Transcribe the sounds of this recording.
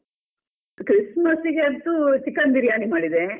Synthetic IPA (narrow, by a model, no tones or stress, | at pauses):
kɾismɐsiɡeɐnt̪ut͡ʃikːɐnd̪iɾjaːnimaːɽid̪e